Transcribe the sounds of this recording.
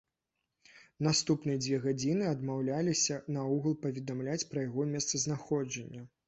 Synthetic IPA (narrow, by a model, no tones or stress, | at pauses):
nast̪upnɨjɐd͡zʲvʲɛɣad͡zʲinɨɐd̪mawlʲalʲisʲɐnɐuɣɐlˠpɐvʲɛd̪amlʲat͡sʲpɾɐjaɣɔmʲɛst̪sɐznaxɔd͡ʐɐnʲːɐ